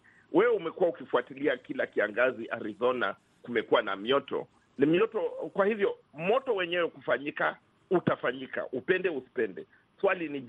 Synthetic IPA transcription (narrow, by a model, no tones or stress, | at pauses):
wʔɛwɛumɛkuwaukifuatiliakilakiaŋɡaziʔaɾizɔna̰ | kumɛkuwana̰mjɔtɔ̰ | nimjɔtɔkwahivjɔmɔtɔwɛɲɛwɛkufaɲika | utafaɲika̰ʔupɛndɛusi̥pɛndɛ | swalini